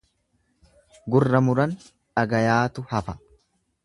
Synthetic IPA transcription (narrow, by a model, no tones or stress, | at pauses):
ɡʊrːɐmʊɾɐn | ᶑɐɡɐjaːt̪ʊhɐfɐ